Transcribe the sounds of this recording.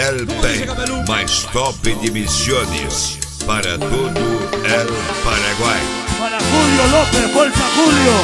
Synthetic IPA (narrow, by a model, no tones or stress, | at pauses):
ɛlpemajst̪ɔpɪd̪imisjonɪ̰s | paɾɐt̪od̪ʊɛlpaɾɐɡwaj | kuljʊlopevolt̪akuljo